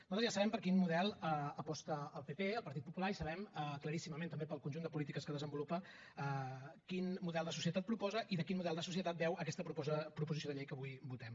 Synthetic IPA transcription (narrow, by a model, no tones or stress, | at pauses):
nuzat̪əzʒjasəβɛmpəɾkinmuðɛlˠəəpɔst̪əːlˠpepeəlˠpəɾt̪it̪̚pupulaɾisəβ̞ɛməkləɾisiməmẽnt̪əmbepəlˠkunʲʒund̪əpulit̪ikəskəð̞əzəmbulupə | əkinmuðɛlˠd̪əs̬usiət̪at̪̚pɾupɔzəʔiðəkinmuðɛlˠd̪əs̬us̬iət̪at̪̚bɛwəkɛst̪əpəpɾupuzisioðəʎɛjkəβujbut̪ɛm